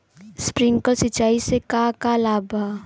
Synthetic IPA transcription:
spɾɪ̃ŋɡkəsɪt͡ʃaːisekakalaːbʱa

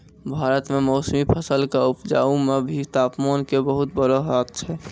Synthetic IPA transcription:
bʱaːɾət̪memɔːsmipʰəsəlkaupd͡ʒa̰ːumebʱit̪aːpmaːnkebəɦut̪̚bəɾəɦat̪̚t͡ʃʰɛ

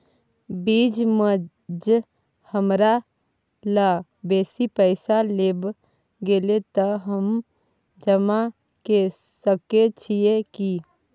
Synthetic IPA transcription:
biːd͡ʒmə | d͡ʒ | həmɾa | la | beːsipəɪsaleːb | ɡelet̪əɦəm | d͡ʒəma | kesəket͡ʃʰieki

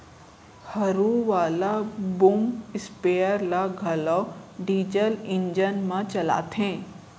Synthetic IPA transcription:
hɐɾuʋaːlabumɪspeːəɾlaɡʱɐlɔːɖiːd͡ʒəlɪ̃ɲd͡ʒənmãt͡ʃɐla̰ːt̪ɦẽː

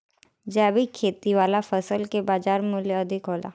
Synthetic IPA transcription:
d͡ʒɛːbʱikʰeːt̪iʋaːlafəsəlkebaːd͡ʒaːɾmʊljəɐd̪ʱɪkɦoːla̰ː

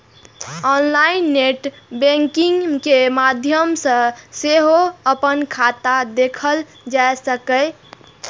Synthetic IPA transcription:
ɔnlainːeʈ | bẽŋkiŋkemad̪ʱjəmsə̃seɦoəpənkʰat̪ad̪ekʰəl | d͡ʒaesəkəj

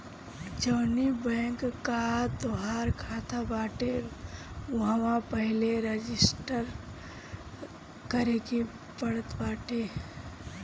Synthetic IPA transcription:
d͡ʒəːnibɛ̃ːŋkkːat̪oɦaːɾkʰaːt̪ʰabaːʈe | ʊɦamãpəɦɪleɾəd͡ʒɪsʈəɾ | kəɾeki | bəɽət̪baːʈe

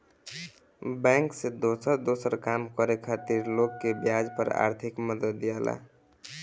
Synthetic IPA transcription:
bɛ̃ŋksed̪osəɾd̪osəɾkamkəɾekʰat̪iɾlokːebjad͡ʒpəɾa̰ːɾt̪ʰikməd̪əd̪ːijala̰

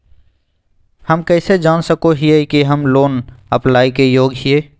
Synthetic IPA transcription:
həmkɛːsed͡ʒaːnsəkoɦiekiɦəmloːnəplaːikejoːɡɦieː

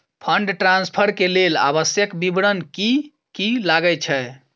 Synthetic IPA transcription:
pʰəɳɖʈɾãnspʰəɾkelela̰βəsjəkbibɽənki | kilaɡət͡ʃʰɛ

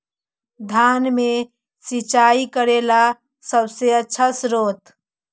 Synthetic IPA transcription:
d̪ʱanme | sit͡ʃaikəɾela | səbseətːʃʰasɾot̪

